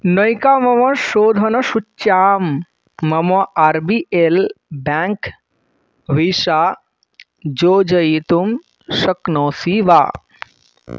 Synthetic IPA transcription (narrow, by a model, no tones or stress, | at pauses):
nəjkaːmɐmɐʃoːd̪ʱɐnɐʃut͡ʃːaːmː | ɐmɐʔaɾbiʔelbaŋk | ʋisaː | d͡ʒoːd͡ʒɐjit̪um | ʃɐknɔːsiʋa̰ː